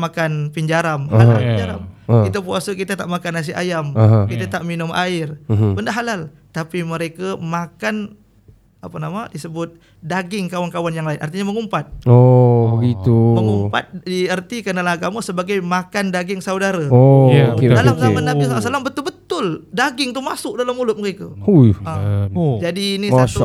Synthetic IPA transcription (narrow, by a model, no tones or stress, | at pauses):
makanpiɲd͡ʒaɾamhaɦad͡ʒaɾa̰mkit̪apuasəkit̪at̪aʔmakanas̬iʔa̰jaməɦkit̪at̪aʔminʊma̰ɪrbəndaɦalal | t̪apiməɾekamakan | apanamadisəbʊt̪̚ | daɡɪŋkawankawanjaŋlaɪnʔart̪iɲaməŋumpat̪̚obəɡit̪uməŋumpa̰t̪̚diərt̪ikənalaɦaɡamasəbaɡajmakandaɡɪŋsaudaɾaodalamzamanːabisalasalambət̪ʊlbət̪ʊldaɡɪŋt̪umasʊʔ̚dalamːulʊt̪̚məɾekaujəd͡ʒadiːniat